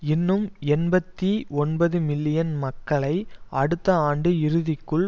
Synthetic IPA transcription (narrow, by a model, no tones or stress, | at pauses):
ɪnːɯmɛnbɐt̪ːiɔnbɐðɯmɪlːɪjɐnmɐkːɐɭɐɪʔɐɽɯt̪ːɐaːɳɖɯɪɾɯðɪkːɯɭ